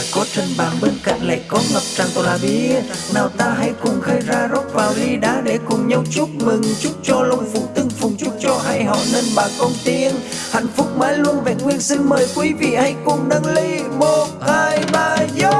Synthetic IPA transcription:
kɔ˨˦t͡ɕə˨˩nɓaː˨˩ɓe˧nka̰˧˨jŋ̟la̰ː˧˨jkɔ˨˦ŋə˨˩p̚t͡ɕaː˨˩ŋt̪o˨˩laː˨˩ɓḭ˧˥naː˨˩wt̪aː˧ɦa˧jkʊ̰˧˩ŋ͡mxə˧jzaː˧zo˦˥t̚vaː˨˩wli˧ɗa̰ː˨˦ɗe˧˩kʊ˨˩ŋ͡mɲa˧wt͡ɕʊ˦˥k͡p̚mɨ˨˩ŋt͡ɕʊ˦˥k͡p̚t͡ɕɔ˧lə˧wŋ͡mfu˨˦t̪ɨ˧əŋfʊ˨˩ŋ͡mt͡ɕʊ˦˥k͡p̚t͡ɕɔ˧ʔaː˧jɦɔ̰˧˩nəː˧nɓaː˨˩kə˧wŋ͡mt̪i˧ən | ha̰˧˨jŋ̟fʊ˦˥k͡p̚maː˨˧˦jlu˧ənve˨˩ŋwi˧ənsi˧nməː˨˩jkwi˨˦vḭ˧˨ha˧jkʊ˧˩ŋ͡mɗa˧ŋli˧˦mo˨˩t̚ʔaː˧˩jɓaː˧˩zə˧˦

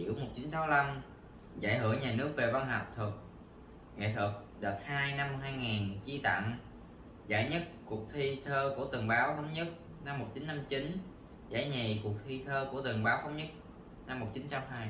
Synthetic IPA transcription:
ḭ˧˩əwmo˨˩t̚t͡ɕi˨˦nsa˨˦wla˧m | za̰ː˧˩jhɨ˧˩əɲaː˨˩nɨ˦˥ək̚ve˨˩va˧nɦa˨˩wk͡p̚t̪ʰɨ˨˩k̚ | ŋḛ˧˨t̪ʰɨ˨˩k̚ | ɗə˨˩t̚haː˧jna˧mːo˨˩haː˧jŋaː˨˩nt͡ɕi˧t̪a̰˧˨ŋ | zaː˧˩jɲə˦˥t̚ku˨˩ək̚t̪ʰi˧t̪ʰəː˧ku˧˩ət̪ɨ˨˩əŋɓaː˨˦wt̪ə˨˦wŋ͡mɲə˦˥t̚ | na˧mːo˨˩t͡ɕi˨˦nt͡ɕa˧mt͡ɕi˨˦n | za̰ː˧˩jɲe˨˩ku˨˩ək̚t̪ʰi˧t̪ʰəː˧ku˧˩ət̪ɨ˨˩ŋɓaː˨˦wt̪ə˨˦wŋ͡mɲə˦˥t̚ | na˧mːo˨˩k͡p̚t͡ɕi˨˦nt͡ɕa˧˨˦mhaː˧j

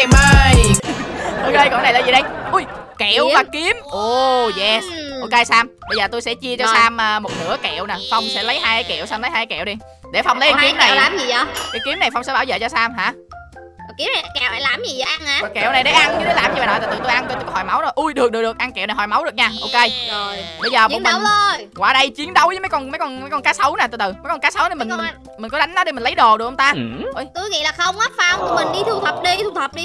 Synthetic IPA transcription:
məː˧jj | ʔo˧ke˧jkɔ̰˧˩˦na˨˩jlaː˨˩zi˨˩ɗə˧jʔu˧˩jke˧˨wvaː˨˩ki˨˦əmʔo˧zɛ˧˩ʔʔo˧ke˧jsaː˧mɓə˧zəː˨˩t̪o˧jsɛ̰˧˥t͡ɕi˧ət͡ɕɔ˧saː˧mʔəː˨˧mo˨˩t̚nɨ̰˧˥əkḛ˧˨wnaː˨˩fa˧wŋ͡msɛ̰˧˥lə˨˦jɦaː˧jkaː˨˦jkḛ˧˨wsaː˧mlə˨˦jhaː˧kːkɛ̰˧˨wɗi˧ | ɗe˧˩fa˧wŋ͡mlə˨˦kːki˨˦˥mna˨˩˨aː˨˩mzi˨˩ɔ˧ka˨˦jki˨˦əmna˨˩jfa˧wŋ͡msɛ̰˧˥ɓaː˧˩wzə̰ː˧˨t͡ɕɔ˧saː˧mɦa̰ː˧˥ | ɔ˨˩ki˨˦əna˨˩˨kɛ˨wʔa˧˩laː˨˩mzi˨˩za˨˦ʔnhaː˨˧˩kɛ̰˧˨wna˨˩jɗe˧˨˩ʔa˧ni˧˦ɗlaː˨˩mzi˨˩vaː˨nɔ˨˩t̪aː˨˩t̪ɨ̰˧˨t̪o˧jʔa˧nkt̪o˧jkɔ˨˦hɔ˨˩jma˨˦wno˨˩jʔu˧jɗɨ˨˩ək̚ɗɨ˨˩kɗək̚ʔa˧nkɛ˧˨wna˨˩ɦɔ˨˩jma˨˦wɗək̚ɲaː˧ʔo˧ke˧jo˨˩jɓə˧jzəː˨˩m˨˦˧wzo˧˩jkwaː˧˩ɗə˧jt͡ɕi˨˦ənɗə˨˦wzəː˨˦mə˨˦jkɔ˧nmə˨˦jkɔ˧nmə˨˦jkɔ˧nkaː˨˦sə˨˦wnaː˨˩ɨ̰˧˨˩t̪ɨ˨˩mə˨˦jkɔ˧nkaː˨˦sə˨˦wna˨˩mï˨˩ŋm˩˨˩ | mï˨˩ŋ̟kɔ˨˦ɗa˨˦ŋɗɔ˨˦ɗi˧˩mi˨˩nlə˨˦jɗo˨˩ɗɨ˨˩kʔə˧ŋ͡mt̪aː˧ʔo˧˩jt̪u˧˦ŋḭ˧˨laː˨˩xə˧wŋ͡mʔaː˦˥t̚fa˧˩wŋ͡mt̪i˨˩mï˨˩ŋ̟ɗi˧t̪ʰu˧t̪ʰə˨˩p̚ɗi˧t̪ʰu˧˩t̪ʰə˨˩p̚ɗi˧

